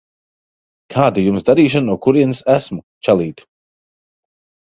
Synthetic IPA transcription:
kʰaːd̪ajumsd̪aɾiːʃ̬annuɔkuɾiɛnsæsmut͡ʃɛlˠiːt̪

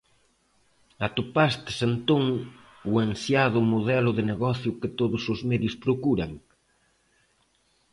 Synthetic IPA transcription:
at̪opast̪ɪ̥sent̪oŋ | uansjaðʊmoðɛlʊðɪneɣɔθjʊkɪt̪oðʊsʊzmɛðjʊspɾokuɾɐŋ

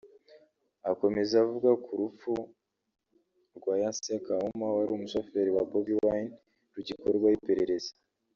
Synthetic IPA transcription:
ako̞me̞zavuɡakʰuɾup͡fu | ɾɡwaːjansekaumawaɾiumusofeɾiwabobiwan | ɾuɟikoɾɡwajipe̞ɾe̞ɾe̞zḁ

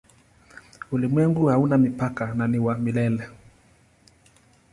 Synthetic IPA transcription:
ulimwɛŋɡuhaunamipakananiwamilɛlɛ

